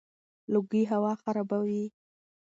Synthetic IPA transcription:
lʊɡiɦawɑxaɾɑbawi

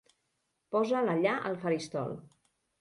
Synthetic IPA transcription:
pɔzələʎaʔə̰lˠfəɾist̪ɔ̰l

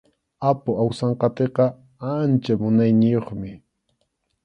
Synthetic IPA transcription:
apʊawsɑɴqɑt̪eqɑ | ant͡ʃamʊnajnɪjoχmɪ

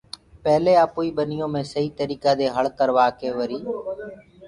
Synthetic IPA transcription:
pɛɦleːaːpuːiːɓənɪjõːmẽːsəɦiːt̪əɾiːkaːd̪eːɦəɭkəɾʋaːkeːʋəɾiː

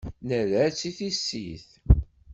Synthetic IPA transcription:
næðæt͡sːiθisːḭθ

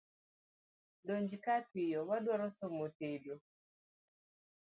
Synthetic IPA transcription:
doɲd͡ʒikatijɔwaɗwaɾɔsɔmɔtedɔ

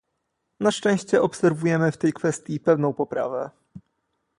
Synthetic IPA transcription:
naʂt͡ʂɛ̃w̃ɕt͡ɕɛʔɔpsɛɾvujɛmɘft̪ɛjkfɛst̪ʲjipɛvnɔ̃w̃pɔpɾa̰vɛ

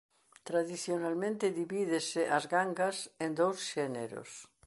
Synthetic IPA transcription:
t̪ɾaðiθjonalmẽnt̪ɪðiβiðeseʔazɣaŋɡasend̪owsʃɛnḛɾo̰s

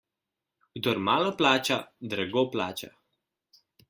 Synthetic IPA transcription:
ɡd̪ɔɾmaːlɔplaːt͡ʃad̪ɾaɡopla̰ːt͡ʃa̰

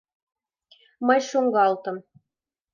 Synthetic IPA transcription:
mɤjʃuŋɡɑlt̪ɤ̆m

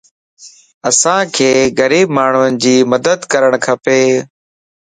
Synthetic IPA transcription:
əsãːkʰeːɣəɾiːb̚maːɳ̤ʊənɪd͡ʑiːməd̪əd̪kəɾəɳ̃kʰəpeː

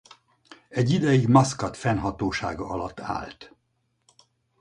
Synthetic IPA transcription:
ɛɟːid̪ɛjiɡmɒskɒt̪fɛnɦɒt̪oːʃaːɡɒɒlɒt̪ːa̰ːlt̪

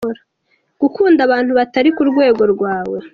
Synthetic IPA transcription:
ɾa | ɡ̥ukuːndaβaːn̥huβataɾikuɾɡwe̞ːɡo̞ɾɡwaːwe̞

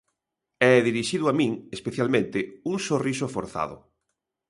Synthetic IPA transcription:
ɛðiɾiʃiðʊamĩŋespeθjalmẽnt̪ɪuŋsorisofo̰ɾθa̰ðʊ̰

